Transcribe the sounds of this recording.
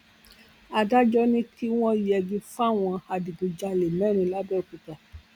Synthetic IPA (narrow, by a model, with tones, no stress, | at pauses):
a˧da˦d͡ʒɔ˦nĩ˦tʰi˦w̃ɔ̃˦i˨˦ɛ˧ɡĩ˧fa˦˨w̃ɔ̃˧a˧di˨ɡũ˨d͡ʒa˧le˨mɛ˦ɾ̃ĩ˧la˦bɛ˦o˨kũ˧˨ta˨